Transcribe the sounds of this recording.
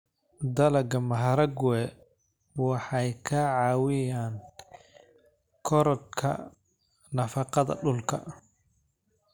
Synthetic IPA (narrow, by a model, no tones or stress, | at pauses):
d̪ɐlɐɡɐmɐɦɐɾɐɡwɛ | wɑħɑjkʰɐʕɑːwɪjaːn | kʰɔɾɔd̪̚kʰɐ̰ | nɐfɑqɑðɐ̰ɖʊlkʰɐ̰